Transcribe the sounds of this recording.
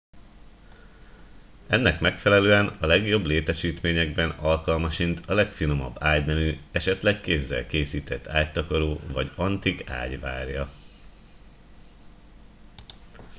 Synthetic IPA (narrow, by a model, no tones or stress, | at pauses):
ɛnːɛkmɛkfɛlɛløːɛnɒlɛɡjo̞bleːt̪ɛʃiːt̪meːɲɛɡ̚bɛnɒlkɒlmɒʃint̪ʰɒlɛkfino̞mɒ̰bːaːɟnɛvyːɛʃɛt̪lɛkkeːzːɛ̰lkeːsiːt̪ɛt̪ʰːaːct̪ɒko̞ɾoːvɒɟɒnt̪ika̰ːɟʋa̰ːrjɒ